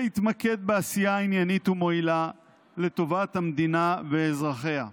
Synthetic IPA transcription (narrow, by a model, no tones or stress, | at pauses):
it̪make̞d̪̚beasijainjanit̪umo̞ila | le̞t̪o̞vat̪hamd̪inaveːzʁaχe̞ha̰